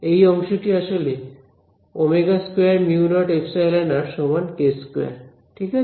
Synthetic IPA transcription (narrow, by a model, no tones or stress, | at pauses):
ejɔŋʃoʈiaʃole | omeɡaskwjaɾmiunɔʈepʰsajlanaɾʃɔmankeskoja̰ɾ | ʈʰika